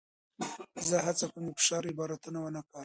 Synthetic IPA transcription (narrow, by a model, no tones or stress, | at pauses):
zəɦat͡sakuməfɪ̥ʃɑɾɪbɑɾat̪unawənakɑɾ